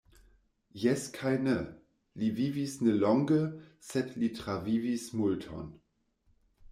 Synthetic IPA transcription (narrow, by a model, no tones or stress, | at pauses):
jɛskʰajne | livivisnelɔŋɡəsedlitɾavivismultʰo̰n